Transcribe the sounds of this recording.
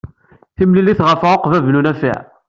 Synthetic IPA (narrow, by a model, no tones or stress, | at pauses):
θimlilːiθʁəfʁoqvævnunæfɪ̰ʕ